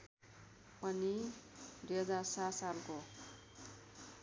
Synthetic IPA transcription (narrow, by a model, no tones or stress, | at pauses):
pʌnid̪uɦʌd͡zarsasalko